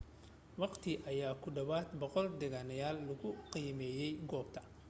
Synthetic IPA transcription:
wɑqt̪ʰɪʔɐjaːkʰʊɖɐβaːd̪bɔqɔld̪ɛɣaːnɐjaːlːɐɣʊqiːmɛːjɛjɡɔːb̚t̪ʰɐ̥

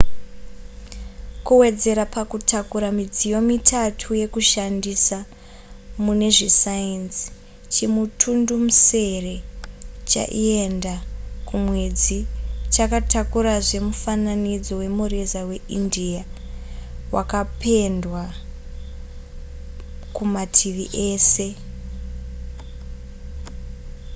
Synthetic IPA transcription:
kuwe̞d͡ze̞ɾapakutakuɾamid͡zijo̞mitʰatʰuje̞kuʃandisa | mune̞ʐisainsi̥ | t͡ʃimutʰundumuse̞re̞t͡ʃa̰ʔiendakumwe̞d͡zit͡ʃakatakuɾaʐe̞mufananid͡zo̞we̞murezawe̞india | wakapʰe̞ndwa | kumatʰiʋiʔe̞ːse̞

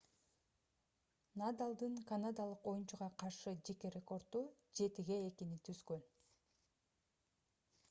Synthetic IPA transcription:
nad̪alˠd̪ɯŋkanad̪alˠɯqo̞junt͡ʃuʁɑqʰɑɾʃɯd͡ʒe̞ke̞ɾʲe̞ko̞rt̪ːu | d͡ʒe̞t̪iɡe̞ːkinit̪ʰyzɡøn

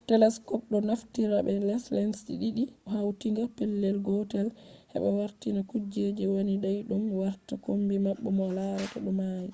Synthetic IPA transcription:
tɛlɛskɔp̚ɗɔnaftiɾabɛlɛslɛnsɗḭɗiɗiɔhawtiŋɡapɛlːɛlɡɔtɛlhɛ̰ɓɛwaɾtinakud͡ʒed͡ʒɛwoniɗajɗumwaɾtakombimaɓːɔmɔlaɾataɗɔmaji

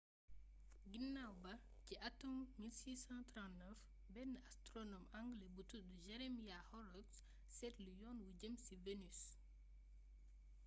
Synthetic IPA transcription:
ɡinːawbɐ | ciʔatɔmmilsiːsɑ̃tɾɑ̃ntnəf | bɛnːastɾɔnɔmaŋɡlebutuduʒɛɾɛmijahɔɾɔks | sɛtlujɔnwuɟəmsivenys

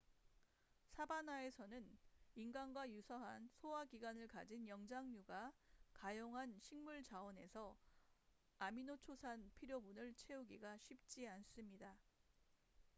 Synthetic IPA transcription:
sʰabanae̞sʰʌnɯninɡanɡwajusʰʌɦansʰowaɡiɡwanɯɭkad͡ʑinjʌŋd͡ʑaŋɲuɡakajoŋɦanɕʰiŋmuɭt͡ɕawʌne̞sʰʌ | aminot͡ɕʰosʰanpʰiɾjobunɯɭt͡ɕʰe̞uɡiɡaɕʰip̚t͡ɕ͈ians͈ɯmɲida

